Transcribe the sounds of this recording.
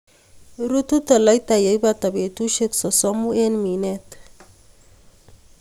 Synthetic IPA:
ɾu˦t̪u˦t̪a˨la˦jt̪a˨je˨jbat̪a˨be˨t̪u˦ʃe˦ksɔ˨sɔ˦mu˦e˦nmi˨net̪

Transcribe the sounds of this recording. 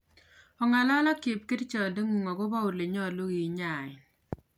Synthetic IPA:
ɔ˨ŋa˨la˦lɔ˦kɪ˨p̚kɪ˦dt͡ʃɔ˨de˦ŋu˨ŋɔ˨ɡo˦ba˦u˨le˨ɲɔ˦˨lo˦ɡi˨˦ɲa˨ɪ˨

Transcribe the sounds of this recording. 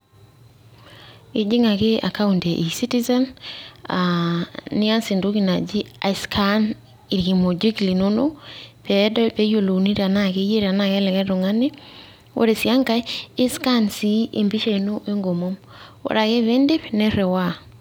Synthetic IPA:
e˨d͡ʒi˦ŋa˨ke˦a̰˨ka˦unte˨ʔi˨si˦ti˦za˦na̰ | nɪ˦a˦nsi˨ndo˦ki˨na˨d͡ʒi˦a̰˨iskʰa˦n | i˨ɾɡi˨mo˨d͡ʒi˦kli˨no˦no˦pɛ˨˦dɔ˦pe˦jo˨lo˨ni˦ɾea˨na˨ke˦je˦ɾe˨a˨na˨kɛ˦lɛ˨kɛ˦ɾo˨ŋa˦ne˦ | wo̰˦ɾe˨sja˦ŋka˦e˦ska˦nsi˦ʔe˨mbi˦ʃa˦i˨no˦ʔe˦ŋɡo˨mo˦m | wo̰˦ɾa˨ke˦βe˦nde˦pnɛ˦ɾɛ˨wa˦

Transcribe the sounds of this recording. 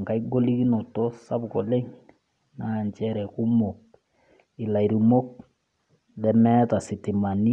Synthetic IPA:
ŋka˨i˦ɡo˦li˦ki˦nɔ˨tɔ˦sa˦bkɔ˨le˦ŋ | na˦˨nt͡ʃɛ˦ɾɛ˨ku˦mo˨k̚ | ɪ˨la˨i˨ɾu˨mo˦k̚ | lɛ˦mɛ˦ta˨sɪ˨tɪ˨ma˨ni˦

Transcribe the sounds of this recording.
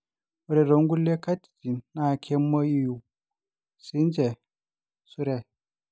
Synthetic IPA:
u˨ɾɛ˨ɾo˨˦ŋɡu˦le˦ka˦ti̥˨ti˨na˦˨kʰɛ˦mːo˦ji˦˨ju˨ | si˨˦nd͡ʒɛ˨ | su˦ɾɛ˦˨

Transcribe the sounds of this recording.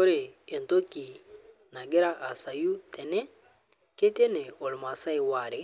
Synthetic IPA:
kɔ˦ɾe˨e˨nto˦ki˨ | na˨ɡɛ˦ɾa˦ʔa˨sa˨ju˦tʰɛ˨nɛ˦ | ke˦te˦nɛ˨ɔ˨lma˨sa˦i˨wa˨ɾɛ˨

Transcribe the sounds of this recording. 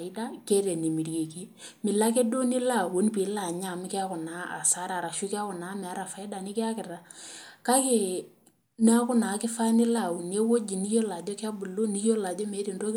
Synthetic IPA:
ɪ˦da˦ke˦ɾe˨ni˨mi˨ɾje˨ki˦ | mɪ˨la˦k̬e˦do˦nɪ˦la˦˨wo˨˦n˦pi˨˦la˨ɲa˨m˦kɪ˦a˦kʊ˨na˨˦a̰˨sa˦ɾa˨ɾa˨ʃu˦kɪ˦a˦kʊ˨na˨˦mɛ˨a˦ɾa˨fa˨ɪ˦da˨nɪ˦kɪ˦a˦kɪ˨ra˨ka˦ke˦ | n˦a˦kʊ˦na˨˦kɪ˦fa˦nɪ˦la˨wu˨nje˦wo˦d͡ʒi˨ni˦jo˦la˨d͡ʒɔ˦kɪ˦a˦bu˨lo˦ni˦jo˦la˨d͡ʒɔ˦me˨˦ɾi˨ndo˦

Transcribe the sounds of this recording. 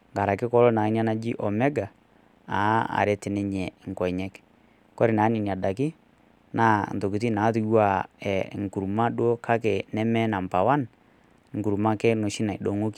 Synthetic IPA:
ŋɡa˨ɾa˨kɪ˦kɔ˦lɔ˦na˨˦n˦a˦na˦d͡ʒi˦ʔɔ˨mɛ˦ɡa˨ | a˨˦a̰˨ɾɛ˦tɪ˨nɛ˦ɲɛ˨ŋ˨kɔ˨ɲɛ˦k | kɔ˦ɾi˨na˨˦ni˨ni˨a˨da˨kɪ˦ | na˦˨n˨to˨ki˨t̬i˦naː˨˦tu˨˦jwa˦˨ɛ˨ŋ˨ku˨ɾma˦ɗo˦kʰa˦ke˨nɛ˦mɛ˦na˨m˨pa˨wa˦n | ŋ̩˨ɡu˨ɾma˦kɛ˦no˨ʃi˦na˨i˨ɗo˨ŋo˦ki˦

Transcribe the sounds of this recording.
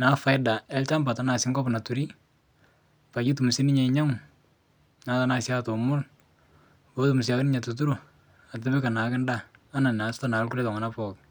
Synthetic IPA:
na˨fa˨jda˨ɛ˦lt͡ʃa˦mba˨ta˦na˨sɪ˦ŋɡɔ˦pna˨tu˨ɾi˦ | pa˨ki˦tu˨mu˨si˦nɪ˦ɲa˨ɪɲa˦m | na˨˦ta˦na˨sja˦to˨mʊ˦l | wo˦tu˨mu˨s̬ja˨knɪ˦ɲa˨tu˨t̬u˦ɾu˨ | a˨tɛ˦bɛ˦ka˨na˨kɪ˦ndaː˦˨˦na˨na˨sta˦na˨˦lku˦ɾe˦ta˨ŋa˨na˦pɔ˨k̚

